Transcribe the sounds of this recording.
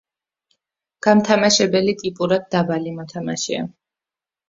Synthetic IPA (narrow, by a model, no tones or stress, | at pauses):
ɡ̥amt̪ʰamaʃɛbɛlit̪ʼipʼuɾad̪̚ːabalimɔt̪ʰamaʃia̰